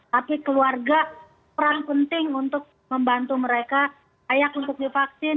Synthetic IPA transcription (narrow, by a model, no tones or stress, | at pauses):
t̪apikəluarɡa | pəɾaŋpənt̪ɪŋunt̪ʊk̚ | məmbant̪uməɾeka | ajak̚unt̪ʊk̚difaksɪn